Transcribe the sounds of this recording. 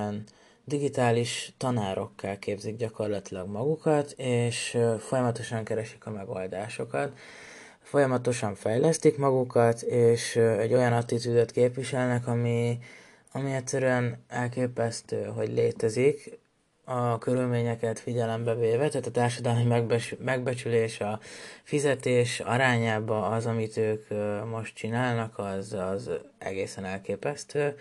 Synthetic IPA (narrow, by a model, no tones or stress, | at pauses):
n | d̪iɡit̪aːliʃt̪ɒnaːɾʔo̞kːɛlkeːbziɡ̚ɟɒko̞rlɒt̪ilɒɡmɒɡukɒt̪eːʃfo̞jɒmɒt̪o̞ʃɒŋkɛɾɛʃi̥kɒmɛɡo̞ld̪aːʃo̞kɒt̪ | fo̞jɒmɒt̪o̞ʃɒɱfɛjlɛst̪ikmɒɡukɒt̪eːʃɛɟːo̞jɒnɒt̪ːit̪yzøt̪keːpʋiʃɛlnɛkɒmi | ɒmiɛtʲsɛɾyɛnɛlkeːpɛst̪øːɦo̞ɟleːt̪ɛzik | ɒkøɾylmeːɲɛkɛt̪fiɟɛlɛmbɛveːvɛt̪aːt̪ɒt̪aːrʃɒd̪ɒlmimɛmɛɡbɛt͡ʃyleːʃɒfizɛt̪eːʃɒ̰ɾaːɲaːbɒːzɒmit̪øːkmo̞ʃt̪̚t͡ʃinaːlnɒkʰɒzɒzɛ̰ɡeːsɛnɛlkeːpɛst̪øː